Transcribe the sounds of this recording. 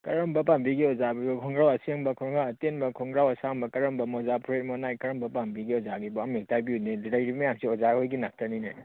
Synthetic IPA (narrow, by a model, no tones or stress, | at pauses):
kɐɾɐmbɐpambiɡiozabikʰɔŋɡɾawɐseŋbɐkʰɔŋɡɾawɐtenbɐkʰɔŋɡɾawɐsaŋbɐkɐɾɐmbɐmɔzapʰuɾet̚mɔnajkɐɾɐmbɐpambiɡiɔzaɡibɔɐmek̚tajbiunediɾajɾibmɐjamsiɔzaɾhojɡinak̚tʰɐninaj